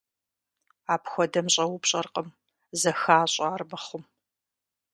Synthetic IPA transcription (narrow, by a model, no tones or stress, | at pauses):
aːpxʷɔdɐmɕʼɐwʊpɕʼɐrqʼəm | zɐxaːɕʼaːrmɐχʷʊm